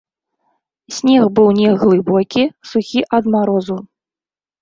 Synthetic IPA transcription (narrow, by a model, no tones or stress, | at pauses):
sʲnʲɛxbɨwnʲɛɣlˠɨbɔkʲisuxʲiʔɐd̪maɾɔzu